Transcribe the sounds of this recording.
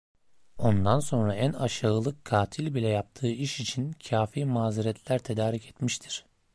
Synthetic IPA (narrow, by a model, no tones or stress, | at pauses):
o̞nd̪anso̞nɾaænaʃaɯlˠɯkkʰːaːt̪ʰilʲbilʲɛjap̚t̪ʰɯːiʃit͡ʃʰincʰaːfiːmaːziɾɛt̪ʰlʲæɾt̪ʰe̞d̪aːɾicʰɛt̪miʃt̪ʰi̥ɾ̥